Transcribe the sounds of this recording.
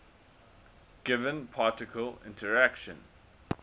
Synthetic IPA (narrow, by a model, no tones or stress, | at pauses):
ɡ̥ɪvə̃npʰɑːˑtɪkʰəlɪ̰̃ntʰəɹækʃə̰̃n